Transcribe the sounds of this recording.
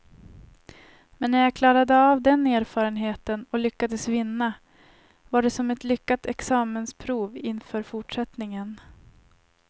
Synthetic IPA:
mɛnːæɾjakʰlɑːɾad̪əavd̪ɛneːɾfɑːɾənɦeːt̪ənɔlʏkːad̪əsvɪnːa | vaɖɛsɔmɛt̪lʏkːat̪ɛksɑːmənspʰɾuːvɪnfœːɾfʊʈʂɛt̪nɪŋən

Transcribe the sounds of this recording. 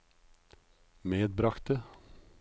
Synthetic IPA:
meːd̪̚bɾɑkt̪̚e

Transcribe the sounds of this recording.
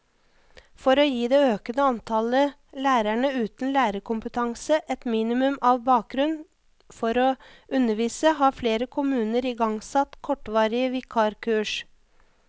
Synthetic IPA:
fɔɾoːjiːd̪eːøːkənəɑnt̪ʰɑlə | læːɾæɳəʉːt̪n̩læːɾəkʰʊmpət̪ʰɑŋsəʔɛt̪miːnɪmʉmɑːʋbɑːk̚ɡɾʉn | fɔɾoːʔʉnːəʋiːsəɦɑːɾfleːɾəkʰʊmʉːnəɾiːɡɑŋsɑt̪kʰɔʈʋɑːɾɪəʋɪkʰɑːɾkʰʉːʂ

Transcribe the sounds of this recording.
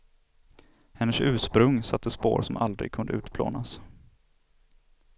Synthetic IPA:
hɛnːəʂʉ̟ːʂpɾɵŋsat̪ʰːəspoːɾsɔmald̪ɾɪ̰ɡ̚kʰɵnd̪əʉ̟ːt̪pʰlo̰ːnas

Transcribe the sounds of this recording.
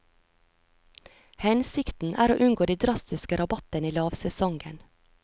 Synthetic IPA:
hɛnsɪkt̪n̩ʔæ̰ːɾoːʔʉnɡoːd̪iːd̪ɾɑst̪ɪskəɾʔɑbɑt̪əniːlɑːʋsɛsɔŋɡən

